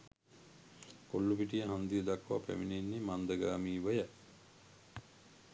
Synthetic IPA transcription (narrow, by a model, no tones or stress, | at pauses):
kolːupiʈ̬ijəɦand̪ijəd̪akːʋa̰pæ̰minenːemand̪əɡaːmiːʋəjə